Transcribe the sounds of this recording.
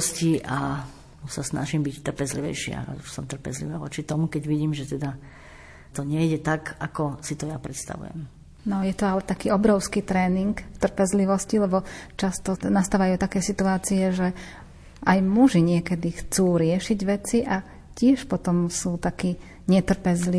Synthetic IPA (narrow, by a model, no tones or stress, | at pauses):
sciʔa | usasna̰ʒimbict̪ːr̩pɛzlḭʋɛ̰jʃɪa̰uʃsɔmt̪r̩pɛ̰zlḭʋaːʋɔ̰t͡ʃit̪ɔmukɛɟʋiɟiːmʒɛt̪ɛd̪a | t̪ɔɲɛjɟɛt̪aɡakɔsit̪ɔjapɾɛt̪st̪a̰ʋṵjɛ̰m | nɔjɛt̪ɔalɛt̪akiːɔbɾɔʊskiːt̪ɾɛːniŋkft̪r̩pɛzliʋɔscilɛbɔt͡ʃast̪ɔnast̪aːʋajut̪akɛjsit̪uaːt͡siɛʒɛ | ajmuʒiɲɪɛkɛd̪ixt͡suːɾɪɛʃiɟʋɛt͡siʔa | cɪɛʃpɔt̪ɔmsuːt̪akiː | ɲɛt̪r̩pɛzli